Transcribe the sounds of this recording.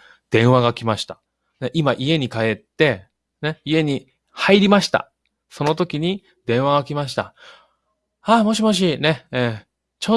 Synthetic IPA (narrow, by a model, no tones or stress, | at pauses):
d̪̥ẽ̞ɰ̃βaɡakʲimaɕi̥t̪ḁ | neʔimaʔie̞ɲ̟ikae̞t̪ːe̞ | ne̞ie̞ɲ̟i | haiɾʲimaɕi̥t̪a̰ | so̞no̞t̪o̞kʲiɲ̟i | d̪ẽ̞ɰ̃βaɡakʲimaɕ̬i̥t̪a̰ | amo̞ɕ̬imoɕ̬ine̞ẽ | t͡ɕo